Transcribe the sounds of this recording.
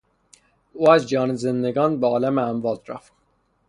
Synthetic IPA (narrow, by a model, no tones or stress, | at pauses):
uːæzd͡ʒɒːnezend̪eɡɒːnbeɒːlæmeæmvɒːlɾæ̰ft̪